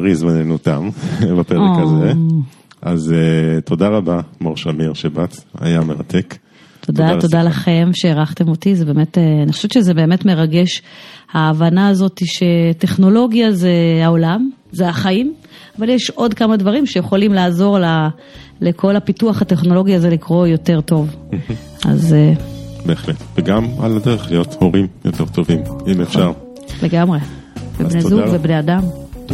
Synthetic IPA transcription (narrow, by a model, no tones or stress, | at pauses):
ʁizmanenut̪a̰mbapeʁeokaze | azet̪ʰo̞daʁabamoʁʃamiʁʃebat̪a̰jameʁa̰t̪ʰe̞k | t̪ʰod̪ato̞dalaχjemʃeːʁaχt̪emo̞tizebeːme̞teanixo̥ʃevt͡ʃezebe̞ːme̞tme̞ʁaɡe̞ʃhaːvanaːzo̞t̪iʃe̞te̞χno̞lo̞ɡjazeaolam | zeaχaim | avaljeʃo̞dkamadvaʁimʃejeχo̞limlaːzo̞ʁla | le̞kʰo̞lapituaχhate̞χno̞lo̞ɡiazelikʁo̞jo̞te̞ʁto̞v̩ | a̰z | beːχletveɡama̰ladeʁeχlijo̞toʁimjotʰeʁt̪o̞vimimefʃaʁ | leɡamʁe | vebnezuɡvebneadam